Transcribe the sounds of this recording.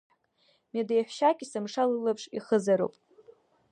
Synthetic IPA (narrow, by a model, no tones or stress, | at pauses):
madejħʷʃakʲʼisɨmʂalɨlapʰʂiχəzaɾo̰pʼ